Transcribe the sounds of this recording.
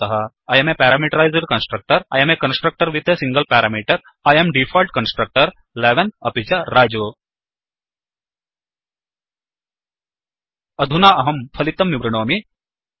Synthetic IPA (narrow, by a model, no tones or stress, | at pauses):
ɐɦɐ | ɐjɐmepɛːɾaːmiːʈɐɾaːɪzɐɾkɐnsʈɾɐk̚ʈɐɾɐ̰ːjɐmekɐ̃nsʈɾɐk̚ʈɐɾʋit̪esĩŋɡəlpɛːɾaːmiːʈɐɾ | aːjɐmɖifʰɔːlʈ̚kɐnsʈɾɐk̚ʈɐɾ | leːʋɐnɐpit͡ʃɐɾaːd͡ʒoː | ɐd̪ʱunaːɐɦɐmpʰɐlit̪ɐmːibɾiɽ̃oːmi